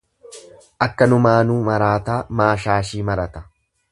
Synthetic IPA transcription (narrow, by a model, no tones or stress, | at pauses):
ʔɐkːɐnʊmaːnuːmɐɾaːt̪aːmaːʃaːʃiːmɐɾɐt̪ɐ̥